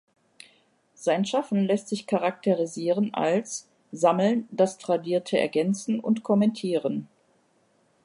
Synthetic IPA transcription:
z̥aɪnʃafn̩lɛstz̥ɪçkʰaʁak̚tʰeʁiziːʁənʔa̰ls | zaml̩nd̥astʁ̥adiːɐtʰəɛ̰ɐɡɛnt͡sn̩ʊ̰ntkʰɔmɛntʰiːʁən

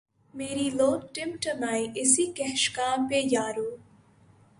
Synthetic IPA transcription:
meːɾiloːk̚ʈɪmʈəmaːiʔɪsiːkɛɦʃkãːpejaːɾuː

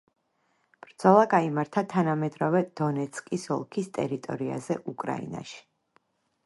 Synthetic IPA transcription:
b̥ɾd̪z̥ɔlˠaɡaimaɾt̪ʰat̪ʰanamɛd̪ɾɔvɛd̪̥ɔnɛt̪skʼisɔlˠkʰist̪ʼɛ̰ɾit̪ʼɔ̰ɾia̰zɛʔukʼɾa̰ḭna̰ʃi̥

